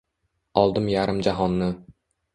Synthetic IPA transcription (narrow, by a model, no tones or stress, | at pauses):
ɒlˠd̪ɪmjaɾɪmd͡ʒaɦɒnːɪ